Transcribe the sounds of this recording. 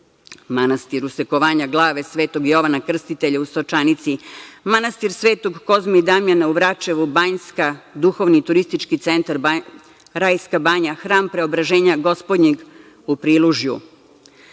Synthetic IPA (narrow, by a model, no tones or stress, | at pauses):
manast̪iɾuseko̞ʋaːɲaɡlˠaːʋe̞sʋe̞ːt̪o̞ɡjo̞ʋanakr̩st̪it̪e̞ʎaust̪ot͡ʃanit̪simanast̪iɾsʋeːt̪o̞ɡko̞zmaid̪amjanauʋɾat͡ʃeʋubaɲskad̪uxo̞ʋnit̪uɾist̪it͡ʃkit̪sent̪aɾ | ɾajskabaːɲaxɾaːmpɾe̞o̞bɾaʒeːɲaɡo̞spod̪ɲiɡ | upɾiːlˠuʒjṵ